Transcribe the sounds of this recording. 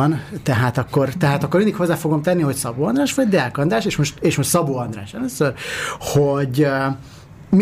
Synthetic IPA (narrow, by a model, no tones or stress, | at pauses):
nt̪ɛɦaːt̪ɒkːo̞rt̪ɛɦaːt̪ɒkːormind̪ikho̞zːaːfoɡo̞mt̪ɛnːiɦo̞csɒboːɒnd̪raːʃʋɒɟd̪ɛkɒnd̪ɾaːʃeːʃmo̞ʃt̪eːʃmo̞ʃt̪sɒboːɒnd̪ra̰ːʃɛløːsːørhoɟ | m